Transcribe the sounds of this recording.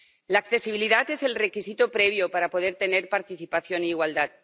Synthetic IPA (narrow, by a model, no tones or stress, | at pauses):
laːkθe̞siβiliðat̪e̞se̞lre̞kisit̪opɾe̞β̞jo̞paɾapo̞ð̞e̞ɾt̪e̞ne̞ɾpaɾt̪iθipaθjo̞niːɣwald̪at̪̚